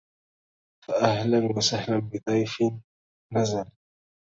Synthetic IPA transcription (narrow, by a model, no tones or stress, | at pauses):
faʔahlanwasahlanbɪt̪ˤɑjfɪnː | azal